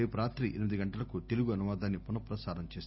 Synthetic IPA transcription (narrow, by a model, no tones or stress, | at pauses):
jpɾaːt̪ɾiʔenimid̪iɡɐɳʈɐlɐkut̪eluɡuɐnuʋaːd̪aːnːipunɐpɾɐsaːɾɐmt͡ʃeːs